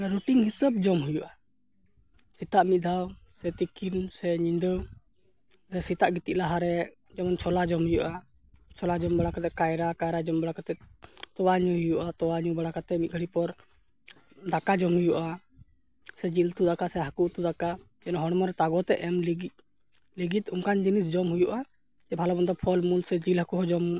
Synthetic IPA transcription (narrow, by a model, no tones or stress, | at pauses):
ɾuʈiŋɦisəb̚d͡ʒɔmɦujuʔa | sit̪aʔmit̪̚ˀd̪ʱawsɛt̪ikinsɛɲiɲd̪əw | sɛsit̪aʔɡit̪iʔ̚laɦaɾɛ | d͡ʒamant͡ʃʰɔlad͡ʒɔmhujuʔa | t͡ʃʰɔlad͡ʒɔmbaɽakat̪ɛkajɾakajɾad͡ʒɔmbaɽakat̪ɛt̪ɔwaɲuɦujuʔat̪ɔwaɲubaɽakat̪ɛmit̪̚ˀɡʱəɽipɔɾ | d̪akad͡ʒɔmhujuʔa | sɛd͡ʒilt̪ud̪akasɛɦakuʔt̪ud̪aka | d͡ʒɛnɔɦɔɽmɔɾɛt̪aɡɔt̪ɛʔɛmliɡ | liɡit̪umkand͡ʒinis̬d͡ʒɔmɦujuʔa | d͡ʒɛbʱalɔbɔnd̪ɔpʰɔlmulsɛd͡ʒilɦakuɦɔd͡ʒɔm